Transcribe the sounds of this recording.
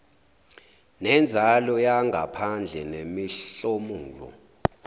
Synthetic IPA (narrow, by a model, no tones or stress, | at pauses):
nɛnd͡zʱalɔjaŋɡʱa̰pʰand͡ɮʱɛnemiɬomuːlɔ̰